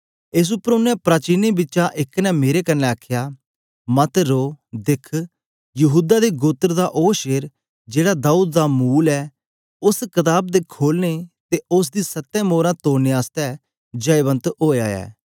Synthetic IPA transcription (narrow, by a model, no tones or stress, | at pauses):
ɪs̬ʊpəɾʊnːɛ̃ːpɾaːt͡ʃiːneːbɪt͡ʃãːʔɪkːnɛ̃ːmeːɾeːkənːɛ̃ːakʰːjaː | mət̪ɾoːd̪ɪkʰ | jəɦuːd̪aːd̪eːɡoːt̪əɾd̪aːʔoːʃeːɾ | d͡ʒeːɽaːd̪aːuːd̪̚d̪aːmuːlɛː | ʊskət̪̬aːb̚d̪eːkʰoːlneːt̪eːʊs̬d̪iːsət̪ːɛ̃ːmoːɾãːt̪oːɾneaːst̪ɛː | d͡ʒəɪβə̃nt̪oːaːɛ̰ː